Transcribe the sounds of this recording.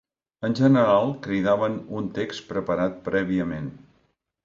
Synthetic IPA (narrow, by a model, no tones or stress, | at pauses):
ənʲʒənəɾalˠkɾiðaβənunt̪ekspɾəpəɾat̪̚pɾʔɛβiəmen